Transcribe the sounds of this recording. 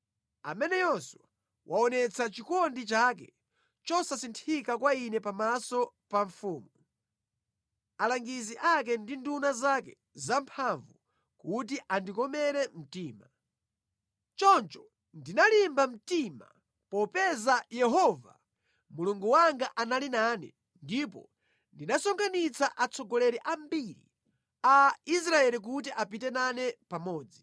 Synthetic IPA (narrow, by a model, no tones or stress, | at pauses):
a̰mɛnɛjɔswa | wʔaɔnɛt͡sʰat͡ʃikɔndit͡ʃak̬ɛ | t͡ʃɔsasintʰikakwainɛpamasɔ | paɱfuːmu | alaŋɡiziʔak̬ɛndindunazakɛ | zampʰaɱvu | kut̬iʔandikɔmɛɾɛm̩tiːma | t͡ʃɔnt͡ʃɔ̥ | ndinalimbam̩tima̰ | pɔpɛzajɛɦɔva̰ | muluŋɡuwaŋɡaʔanalinanɛ̰ | ndip̬ɔ̰ | ndinasɔŋɡʰanit͡saʔat͡sɔɡɔlɛɾɛʔambiɾḭ | ais̬ɾaɛlik̬ut̬iʔap̬itɛnanɛpamɔːd͡zi